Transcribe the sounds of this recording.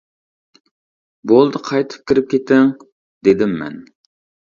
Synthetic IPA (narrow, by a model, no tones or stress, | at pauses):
bolˠd̪ɨqʰɑjt̪ʰɨ̥p̚kʲʰiɾɪp̚kʲʰet̪ʰɪŋ | d̪ed̪ɪmːɛ̰n